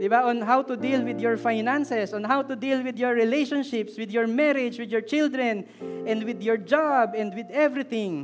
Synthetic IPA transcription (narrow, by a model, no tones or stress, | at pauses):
d̪ɪbaʔɔ̃nɦawt̪ʊd̪ilwɪd̪jɔɹfajnãnsɛsʔɔ̃nɦawt̪ʊd̪ilwɪd̪jɔɹːɪlejʃɔ̃nʃɪpswɪd̪jɔɹmɛɾɪd͡ʒwɪd̪jɔɹt͡ʃɪld̪ɹɛ̃n | ʔɛ̃nd̪wɪd̪jɔɹd͡ʒabɛ̃nd̪wɪd̪ɛvɹɪt̪ɪ̃ŋ